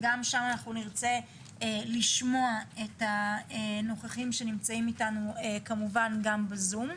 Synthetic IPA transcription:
ɡamʃamanaχnuniʁt͡se̞ | liʃmoaetaeno̞χaχimʃe̞nimt͡saimitanuekamuvanɡambezum

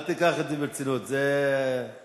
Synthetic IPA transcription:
t̪ikaχat̪ibet͡sinut̪ze

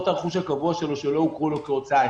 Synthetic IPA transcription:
t̪aʁeχuʃ̬hakavuaʃelo̞ʃeloukʁulokeot͡sa

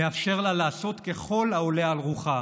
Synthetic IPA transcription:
eafʃe̞ʁlalaːso̞t̪ke̞χo̞laolealʁuχa

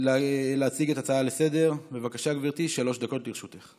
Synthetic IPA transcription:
lleat͡siɡe̞t̪at͡saalese̞de̞ʁbe̞vakaʃaɡviʁt̪iʃalo̞ʃd̪ako̞t̪liʁʃut̪eχ

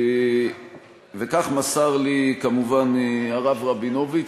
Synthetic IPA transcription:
vekaχmasaʁlikamuvanaʁavʁabinovit͡ʃ

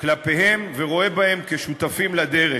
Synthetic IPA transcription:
klape̞ɦe̞mveʁo̞e̞bahe̞mkeʃut̪afimlad̪e̞ʁe

